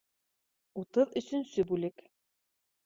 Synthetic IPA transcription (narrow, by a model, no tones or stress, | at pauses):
ut̪ɤðɵ̆sɵnsɵbʉlɘk